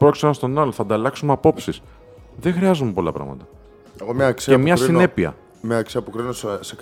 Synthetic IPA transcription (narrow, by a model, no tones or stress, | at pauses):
pɾoksonɐnst̪o̞nɐloθɐnd̪ɐlɐksumeɐpo̞psis | ðexɾiɐzumepo̞lɐ̰pɾɐ̰ɣmɐ̰t̪ɐ | eɣomɲɐksemɲɐsine̞piɐ̰ | mɲɐksiɐpokɾinossek